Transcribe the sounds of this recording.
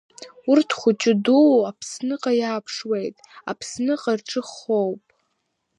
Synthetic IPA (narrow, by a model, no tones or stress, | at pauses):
ʊrtʰχʷʊt͡ʃʼʊduapʰsnɨqʼajaːpʰʂwe̞jtʼa̰pʰsnɨqʼarʈ͡ʂʼɨχo̞wpʼ